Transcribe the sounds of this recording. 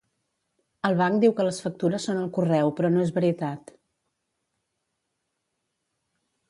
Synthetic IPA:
əlˠβ̞aŋkd̪iwkələsfək̚t̪uɾəsːonəlˠkurɛwpɾɔnoezβəɾit̪at̪

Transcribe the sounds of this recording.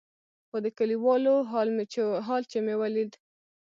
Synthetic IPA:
xod̪əkaliwɑloleɦɑlt͡ʃemewalid̪

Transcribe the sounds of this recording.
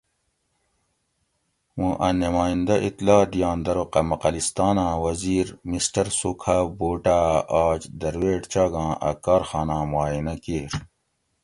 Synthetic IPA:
wũʔɐnemaːĩnd̪ɐʔit̪laːd̪ijãːnd̪ɐɾoqɐmɐqɐlist̪aːnãːwɐziːɾmisʈɐɾsukʰaboːʈaːaːd͡ʑd̪ɐɾweːʈt͡ɕaːɡãːʔɐ̰kaːɾxaːnãːmaːinɐkeɾ

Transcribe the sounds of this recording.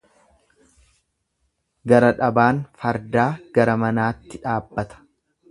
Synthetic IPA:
ɡɐɾɐᶑɐbaːnfɐɾd̪aːɡ̥ɐɾɐmɐnaːt̪ːɪᶑaːbːɐt̪ɐ̥

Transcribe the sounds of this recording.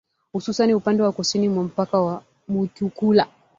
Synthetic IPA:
hususaniupandɛwakusinimwam̩pakawa | mutukula

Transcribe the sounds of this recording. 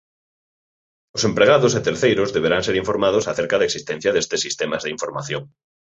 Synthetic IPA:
osempɾeɣ̞aðoset̪eɾθejɾozðeβ̞eɾaŋseɾiɱfoɾmað̞osaθeɾkaðeksist̪ẽn̟θjaðest̪esːist̪emazðiɱfoɾma̰θjoŋ

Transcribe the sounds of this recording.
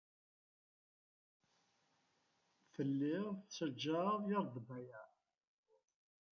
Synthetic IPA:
θəlːɪʁθt͡sːəd͡ʒːaðˤjɑɾˤd̪ˤbæjæ

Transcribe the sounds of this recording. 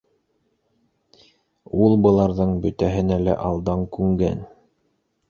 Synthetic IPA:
ulˠbɤ̆lˠɑɾðɤɴbɵ̆t̪æɦɘ̆nælæ̰ʔɑlˠd̪ɑŋkʉŋɡæ̰n

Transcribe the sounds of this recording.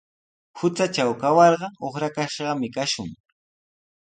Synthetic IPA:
hʊt͡sat͡ʃawkawɑɾɢɑoχɾakaʃɢɑmɪkaʃʊ̰ŋ

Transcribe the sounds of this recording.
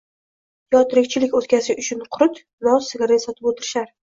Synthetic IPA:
jɒt̪ɾɪk̚ʲt͡ʃʰɪlɪkʲot̪kʲasɪʔʊt͡ʃʰʊnqʰʊɾʊt̪ | nɒsɪɡʲaɾasɒt̪ʰɪpot̪ʰɪɾɪʃaɾ

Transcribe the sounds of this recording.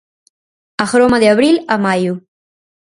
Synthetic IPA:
axɾomad̪əawɾilamaju

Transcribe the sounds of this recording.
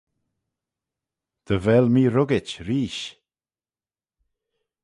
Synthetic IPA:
d̪̥əvɛlmiːɾʊɡɪt͡ʃɾiːʃ

